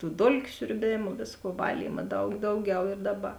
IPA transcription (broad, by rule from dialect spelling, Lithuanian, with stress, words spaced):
tuː ˈdoːlʲkʲʊ sʲʊrʲˈbʲeːmʊ ˈʋʲeːsˌkuɔ ˈʋɑːlʲiːmɐ ˈdɐʊk ˈdɐʊˌɡʲɛʊ ɪr ˈdɑːˌbɐ